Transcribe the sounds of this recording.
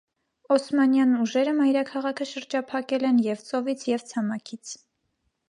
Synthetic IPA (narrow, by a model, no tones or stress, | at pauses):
ɔsmɑnjɑnuʒɛɾəmɑjɾɑkʰɑʁɑkʰəʃəɾd͡ʒɑpʰɑkɛlɛnjɛvt͡sɔvit͡sʰjɛvt͡sʰɑmɑkʰit͡sʰ